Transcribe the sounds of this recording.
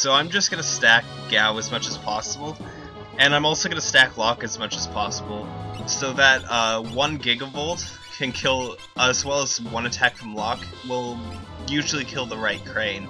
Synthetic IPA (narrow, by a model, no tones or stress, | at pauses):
soʊãɪ̃md͡ʒʌsɡ̥ʌnɨstæk̚ɡ̥aʊɨzmʌt͡ʃɨz̥pʰɑsəbl̩ˠ | ɨ̃ñãɪ̃mɔlˠsoʊɡʌnəstækʰlɑkɨzmʌt͡ʃɨz̥pʰɑsəbl̩ˠsoʊðɨt̚ʌwʌ̃nɡɪɡʌvoʊlˠt | kʰɨ̃nkʰɪlˠ | əzwɛlˠəzwʌ̃nɨtʰækfɹʌ̃mlɑk | wɪlˠjʉʒl̩ˠikʰɪlˠðəɹaɪt̚kʰɹ̥ẽɪ̃n